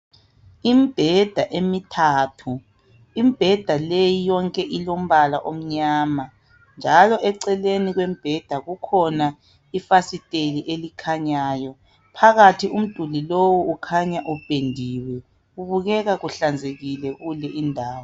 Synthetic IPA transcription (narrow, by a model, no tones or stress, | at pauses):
imib̥ʱɛd̥ʱaʔemitʰatʰu | imib̥ʱɛd̥ʱalejijɔŋkʼɛʔilom̩βalaʔom̩ɲaːma | nd͡ʒʱalɔʔɛǀɛleniɣwem̩b̥ʱɛd̥ʱaɣukʰɔna | ifasitʼeliʔelikʰaɲaːjɔ | pʰaɣatʰium̩d̥ʱulilowuːkʰaɲaʔub̥ʱendʱiwɛ | uβuɣɛɣaɣuɬand͡zʱeɣilɛɣulɛʔindʱaːwɔ